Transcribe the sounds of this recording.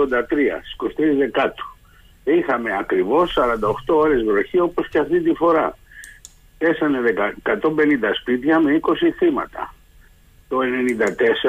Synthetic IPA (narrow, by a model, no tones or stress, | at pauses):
ond̪ɐt̪ɾiɐ̰̥sko̞st̪izðe̞kɐt̪u̥ | ixɐme̞ɐkɾivo̞sːɐɾɐnd̪ɐoxt̪o̞oɾe̞zɣɾo̞çio̞po̞sceɐft̪int̪ifo̞ɾɐ | e̞sɐne̞ðekɐkɐt̪o̞mbe̞nind̪ɐspit̪çɐme̞iko̞siθimɐ̰t̪ɐ̰ | t̪o̞e̞ne̞nind̪ɐt̪e̞se